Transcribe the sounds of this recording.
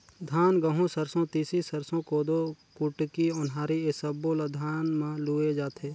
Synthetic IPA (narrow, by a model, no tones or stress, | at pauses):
d̪ʱaːnɡɐɦõsəɾsõt̪iːsisɐɾsõkoːd̪okʊʈkiʊnɦaːɾiesɐbːolad̪ʱaːnmãluːed͡ʒaːt̪ʰeː